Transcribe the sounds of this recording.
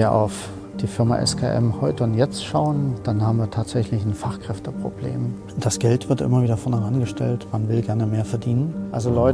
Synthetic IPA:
ɐʔa̰ʊf | d̥iːfɪɐma̰ʔɛ̰skʰa̰ːʔɛ̰mhɔʏtəʊntjɛt͡stʃaʊənd̥anhaːbm̩viːɐtʰaːtz̥ɛçlɪçn̩faχkʁ̥ɛftəpʁ̥o̰b̥lḛːm | d̥asɡ̥ɛltv̥ɪɐtʔɪ̰mɐviːdɐfɔɐnhɛʁanɡəʃtɛ̰ltmanvɪlɡɛɐnəmeːɐfɛɐdiːnənʔalzolɔʏ

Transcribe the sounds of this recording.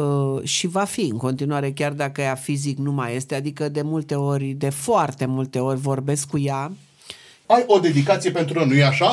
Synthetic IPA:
ʃivafiɨŋko̞nt̪inuaɾe̞kʲard̪akəjafiziknumaje̞st̪e̞ad̪ikəd̪e̞mult̪e̞o̞rʲd̪e̞foart̪e̞mult̪e̞o̞rʲvo̞rbe̞skːuja | ajo̞d̪e̞d̪ikat̪sije̞pe̞nt̪ɾuənujeaʃa

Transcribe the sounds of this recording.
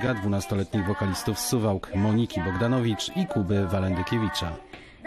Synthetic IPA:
ɡad̪vunast̪ɔlɛt̪ɲiɣvɔkalʲist̪ufsuvawkmɔɲikʲibɔɡd̪anɔvʲit͡ʂikubɘvalɛnd̪ɘkʲevʲit͡ʂa

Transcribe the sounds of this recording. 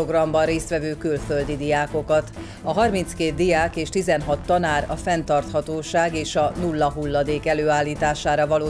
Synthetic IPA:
oɡrɒmbɒnreːst̪ʋɛvøːkylføld̪id̪ijaːko̞kɒt̪ | ɒɦɒrminskeːt̪̚d̪ijaːkeːʃt̪izɛnɦɒt̪ːɒnaːɾɒfɛnt̪ɒrt̪hɒt̪oːʃaːɡeːʃɒnulːɒɦulːɒd̪eːkɛløːaːlːiːt̪aːʃaːɾɒvɒloː

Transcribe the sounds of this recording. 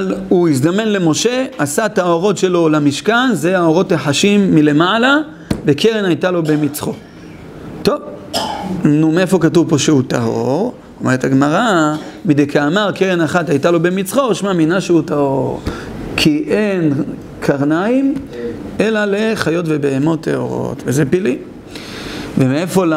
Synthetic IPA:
luisd̪ame̞nle̞mo̞ʃe̞asat̪aoʁo̞tʃe̞lo̞lamiʃkanzeaoʁo̞taħaʃimːile̞mala | ve̞kʰeʁenajt̪alo̞be̞mit͡sχo̞̰ | t̪ov | numeefo̞katuvpo̞ʃeutaho̰ʁ | omeʁetaɡmaʁamidejkaːmaʁkeʁenaχatajtalo̞bemit͡sχo̞ʃmaminaʃeutahoʁ | kʰiʔen | kʰaʁnaim | e̞lale̞χajo̞tve̞behemo̞t̪ḛo̞̰ʁo̰tvezepili | vemeefo̞la

